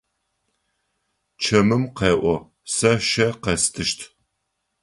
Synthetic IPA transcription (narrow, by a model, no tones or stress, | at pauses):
t͡ʃʰɐmɨmqeːʔʷɔ | sɐʃɐqɐstʰɨʃtʰ